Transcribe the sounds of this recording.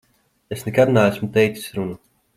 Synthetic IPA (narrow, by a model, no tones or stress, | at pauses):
esnɛkad̪naæsmut̪ɛjt̪si̥sʲɾunu